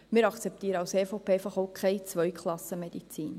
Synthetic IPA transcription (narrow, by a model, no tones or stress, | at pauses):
mɪːɾɑkt͡sɛp̚tiːɾəɑlseːfopʰeːɛjfɑχoʊkʰχɛɪt͡svœjkʰlˠɑsəmed̥̪it͡siːn